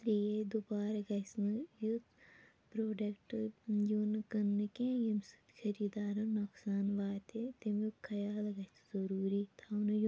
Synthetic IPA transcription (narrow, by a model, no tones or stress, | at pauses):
t̪ɾied̪ubaːɾɐɡɐsnɨjut̪ | pɾoːɖɐkʈjunkɐnːɨkẽjɐmsu̥t̪kʰɐɾiːd̪aːɾɐnɐksaːnʋaːt̪et̪imjukʰɐjaːlɐɡɐt̪ʰu̥zɐɾuːɾit̪ʰaunju